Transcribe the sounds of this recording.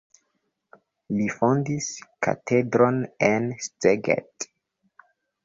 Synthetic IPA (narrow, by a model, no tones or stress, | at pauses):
lifondiska̰tʰedɾonensteɡḛt